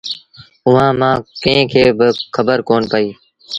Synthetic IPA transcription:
ʊʋãːmãːkẽẽːkʰeːbɪkʰəbəɾkoːnpəiː

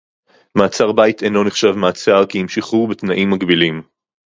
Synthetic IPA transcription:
maːt͡saʁbajitʰejnlo̞neχʃavmaːt͡saʁkihimʃiχubetnaʔimːaɡbilim

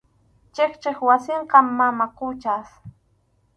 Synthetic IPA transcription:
t͡ʃeχt͡ʃeχwasɪɴqɑmːamaqʊt͡ʃas

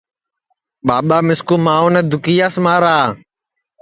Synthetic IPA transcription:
ɓaːɓaːmɪskuːmaːuːneːd̪ʊkiːjaːsmaːɾaː

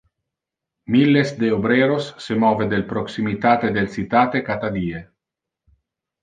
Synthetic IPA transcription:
milːesd̪eobɾeːɾosːemɔːved̪elpɾoksimit̪aːt̪ed̪elt͡sit̪aːt̪ekat̪ad̪iːe

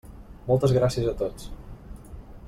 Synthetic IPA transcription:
mɔlˠt̪əzɣɾasiəzət̪ot͡s

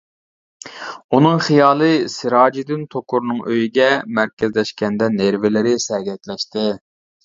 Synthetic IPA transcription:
unɨŋχijɑːlˠɨsɨɾɑːd͡ʒid̪ɪnt̪ʰokʰʊɾnɨŋʔøjiɡʲɛmæɾkʲʰɛzlɛʃkʲɛnd̪ɛneɾvɪlɪɾɪsɛɡʲɛt̪lɛʃt̪ɪ

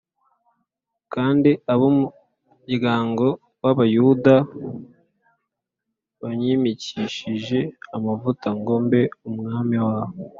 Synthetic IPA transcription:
kaːndiaβomu | ɟiɡaːŋɡo̞ | waβajuda | βaɲiːmiciʃiʒe̞amavutaŋɡo̞mbe̞umŋaːmiwaːβo

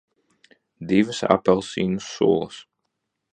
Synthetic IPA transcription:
d̪ivɨsa̰pɛlˠsiːnusːṵɔlˠəs

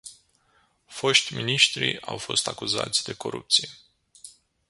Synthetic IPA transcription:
fo̞ʃt̪ʲminiʃt̪ɾḭawfo̞st̪akuza̰t̪sʲd̪e̞ko̞ɾup̚t̪sije

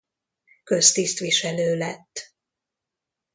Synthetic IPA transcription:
kø̞st̪ist̪ʋiʃɛløːlɛt̪ː

